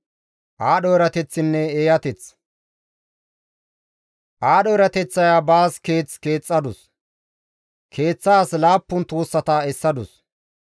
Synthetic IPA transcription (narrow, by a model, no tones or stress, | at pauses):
ʔaːɗɔjɾɐt̪ɛt͡sːɪnːɛeːjɐt̪ɛt͡s | ʔaːɗɔjɾɐt̪ɛt͡sːɐjabaːske̞ːt͡ske̞ːt͡sʼːɐd̪ʊs | kʰe̞ːt͡sːaːslaːpːʊnt̪uːsːɐt̪ɐɛsːɐd̪ʊs